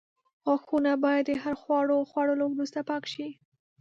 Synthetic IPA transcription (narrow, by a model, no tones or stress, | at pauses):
xaxunabɑjad̪əɦaɾxwɑɽoxwɑɽəlowɾust̪apɑkʃi